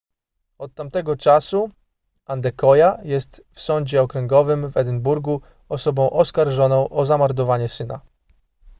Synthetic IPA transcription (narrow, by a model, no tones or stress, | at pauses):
ɔt̪ːamt̪ɛɡɔt͡ʂasu | and̪ɛkɔjajɛst̪fsɔɲd͡ʑɛɔkɾɛŋɡɔvɘmvɛd̪ɘnbuɾɡu | ɔsɔbɔ̃w̃ʔɔskaɾʐɔnɔ̃w̃ʔɔzamaɾd̪ɔvaɲɛsɘna̰